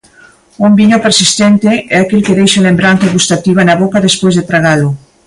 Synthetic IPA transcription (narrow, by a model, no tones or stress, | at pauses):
umbiɲopeɾsist̪ent̪eɛakelkeðejʃalembɾant̪aɣust̪at̪iβanaβokaðespwezðet̪ɾaɣalo